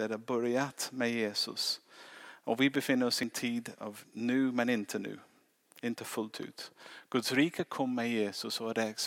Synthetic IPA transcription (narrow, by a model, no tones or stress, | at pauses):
ɛd̪əbœɾjat̪mɛjeːsʊ̰s | ɔvɪbəfɪnːəɾɔsɪnt̪ʰiːd̪ɑ̰vnʉːmɛnɪnt̪ʰənʉ̰ː | ɪnt̪əfɵlt̪ʰʉ̰ːt̪ɡ̥ɵd̪sɾiːkʰəkʰɔmːɛjeːsʊsɔd̪ɛs